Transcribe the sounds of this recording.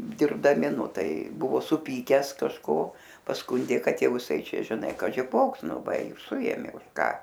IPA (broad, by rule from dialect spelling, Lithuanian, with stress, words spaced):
dʲɪrbdɐˈmʲɪ ˈnʊ ˈtɐɪ ˈbʊʋoː sʊˈpʲiːkʲæːs kɐʃˈkoː pɐsˈkʊnʲdʲeː ˈkɐt ˈjɛʊ ɪˈsɐɪ ˈt͡ʃʲɛ ʒʲɪˈnɐɪ kɐʒʲɪ ˈkoːks ˈnʊ ˈʋɐ ɪ ɪr ˈsʊeːmʲeː ʊʃ ˈkɑː